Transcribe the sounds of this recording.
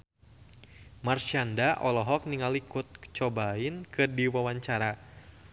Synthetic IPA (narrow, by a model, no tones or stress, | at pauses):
marʃiandaʔɔlɔɦɔk̚niŋalikut̪̚ə̥t͡ʃɔbaɪnkɨrdiwawaɲt͡ʃaɾa